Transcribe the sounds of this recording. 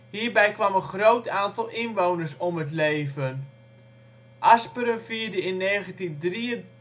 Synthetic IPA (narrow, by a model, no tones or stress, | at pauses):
hiːrbɛjkʋamənχrowtaːntɔlˠɪnʋownərsɔmətleːvən | ʔaspəɾəmfiːəɹdəɪnːeːɣəntindriə